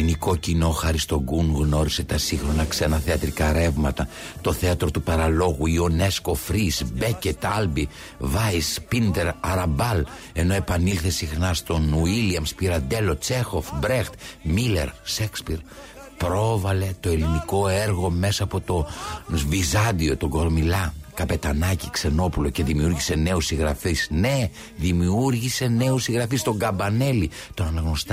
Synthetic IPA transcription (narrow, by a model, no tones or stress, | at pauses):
iniko̞cino̞xɐɾist̪o̞ɡuŋɣno̞ɾise̞t̪ɐsiŋxɾo̞nɐkse̞nɐθeɐt̪ɾikɐɾe̞vmɐt̪ɐt̪o̞θe̞ɐt̪ɾo̞t̪upɐɾɐlo̞ɣuio̞ne̞sko̞fɾisbecet̪ɐlbi | vɐjspind̪e̞ɾɐɾɐbɐl | e̞no̞e̞pɐnilθesixnɐst̪o̞nuiliɐmspiɾɐnd̪e̞lo̞t͡se̞xo̞fbɾext̪mile̞̰ɾʃekspiɾ | pɾo̞vɐle̞t̪o̞e̞liniko̞eɾɣo̞me̞sɐːpo̞t̪o̞vizɐnd̪io̞t̪o̞ɡo̞ɾmilɐkɐpe̞t̪ɐnɐci̥kse̞no̞pulo̞ce̞ðimiuɾʝise̞ne̞usiɣɾɐfisne̞ | ðimiuɾʝise̞ne̞usiɣɾɐfist̪o̞ŋɡɐbɐne̞li | t̪o̞nɐnɐɣnost̪ɐ